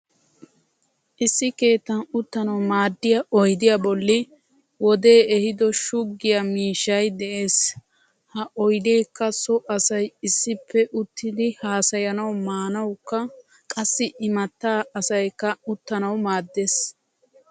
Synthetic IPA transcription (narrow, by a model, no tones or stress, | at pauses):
ʔɪsːɪke̞ːt̪ːɐnʊt̪ːɐnɐwmaːd̪ːɪjɐʔɔjd̪ɪjɐbɔlːɪ | wɔd̪e̞ːɛhɪd̪ɔʃʊɡːɪjɐmiːʃːɐjd̪ɛʔe̞ːs | hɐʔɔjd̪e̞ːkːɐsɔʔɐsɐjɪsːɪpːɛʔʊt̪ːɪd̪ɪhaːsɐjɐnɐwmaːnɐwkːɐ | kʼɐsːɪʔɪmɐt̪ːaːɐsɐjkːɐʊt̪ːɐnɐwmaːd̪ːes